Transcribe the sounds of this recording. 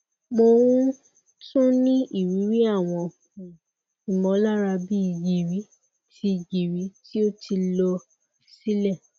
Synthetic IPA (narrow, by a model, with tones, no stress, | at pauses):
mo˧wũ˦ | tũ˦nĩ˦ʔi˦˨ɾi˨˦ɾi˦a˦˨w̃ɔ̃˧˨ | i˨mɔ̃˧˦la˦ɾa˧bi˦i˧d͡ʒi˨ɾi˨˦ | ti˧d͡ʒi˨ɾi˨˦ti˦o˦tʰi˧lɔ˧˨ | si˦lɛ˦˨